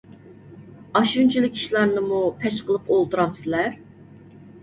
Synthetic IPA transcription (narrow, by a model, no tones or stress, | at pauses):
ɑʃunt͡ʃʰilˠɪkʲi̥ʃlˠɑɾnɨmupʰɛʃqəlˠɨpolˠd̪uɾɑmsɪlæɾ